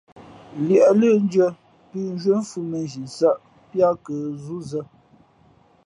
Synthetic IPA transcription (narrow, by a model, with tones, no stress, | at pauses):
ljɛ˨ʔlə˦n˦d͡ʒə˦ | pi˦n˦ʒɥə˦m̩˦fu˦me˨nʒi˨sa˦ʔ | pja˦kə˨zu˦zə˦